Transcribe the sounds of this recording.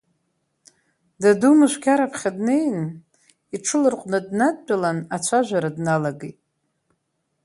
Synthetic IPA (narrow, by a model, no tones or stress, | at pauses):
dadumɨʃʷkʲʰaɾapʰχʲadnejn | iʈ͡ʂʰɨlɨrqʷʼnadnad̚t͡pʼalanat͡ɕʷʰaʒʷᶣaɾadnalaɡejtʼ